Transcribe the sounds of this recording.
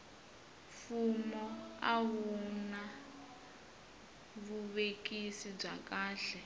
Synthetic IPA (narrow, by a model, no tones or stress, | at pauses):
fumɔaɦuna | βuβekʼisib͡ʐakaːɬɛ